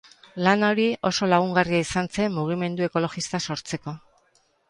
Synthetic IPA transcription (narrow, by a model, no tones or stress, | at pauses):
lano̞ɾio̞so̞laɣ̞uŋɡariaisant͡se̞mːuɣ̞ime̞nd̪ue̞ko̞lo̞ɣist̪aso̞ɾt͡se̞ko̞